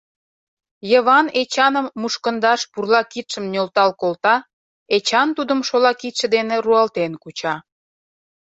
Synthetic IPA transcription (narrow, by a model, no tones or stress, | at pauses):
jəβɑnet͡ɕɑnəmːuʃkənd̪ɑʃpurlɑkit̪ʃəmnʲolt̪ɑlkolt̪ɑ | et͡ɕɑnt̪ud̪əmʃolɑkit̪ʃə̆d̪eneɾuɑlt̪enkut͡ɕɑ